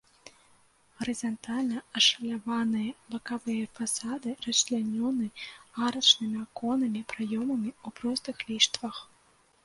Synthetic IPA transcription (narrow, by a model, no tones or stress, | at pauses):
ɐɾɨzant̪alʲnɐɐʂɐlʲavanɨjɐbɐkavɨjɐfasad̪ɨrɐslʲanʲɔnɨaɾɐt͡ʂnɨmʲiakɔnɐmʲipɾajɔmɐmʲiupɾɔst̪ɨxlʲiʂt̪vɐx